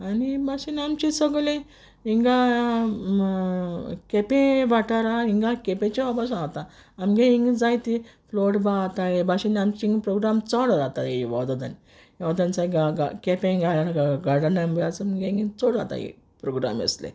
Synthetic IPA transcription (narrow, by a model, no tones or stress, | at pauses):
anibaɕinamt͡ɕisəɡlẽ | iŋɡa | kɛpẽʋaʈaɾaiŋɡakepẽt͡ɕiʋabasat̪a | amɡẽĩŋɡd͡zajt̪ifloʈbat̪ajebaɕinamt͡ɕiiŋɡpɾoɡɾamt͡sɔɽd͡zat̪aeʋɔwd̪ɔd̪an | jawd̪ãnt͡saɡaɡakepẽɡalanɡaɡaɽanambat͡səmɡeiŋɡet͡sɔɽa̰t̪a̰ḭ | pɾoɡɾa̰mḛslḛ